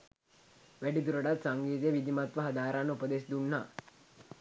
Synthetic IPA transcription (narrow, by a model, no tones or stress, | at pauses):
ʋæʈid̪uɾɐɖat̪saŋɡiːt̪ejʋid̪ʱimat̪ʋɐɦɐd̪aːɾanːəupəd̪esid̪unːa